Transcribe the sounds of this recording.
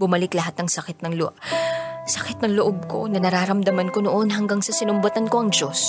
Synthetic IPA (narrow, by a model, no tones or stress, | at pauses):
bʊmɐlɪklɐɦat̪̚nɐŋsɐkɪt̪̚nɐŋl | sɐkɪt̪nɐŋloʔob̚kʰo̞̰nɐnɐɾaːɾɐmd̪ɐmɐnko̞noʔo̞nɦɐŋɡaŋsɐsɪnʊmbɐt̪ɐnko̞ʔɐŋd͡ʒo̞s